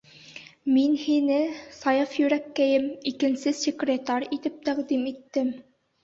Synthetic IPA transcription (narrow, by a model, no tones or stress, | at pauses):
minhinɘsɑjɑfjɵ̆ɾækːæjɘmikɘ̆nsɘsʲekrʲet̪ɑrʲit̪ɘp̚t̪æqd̪imit̪ːɘm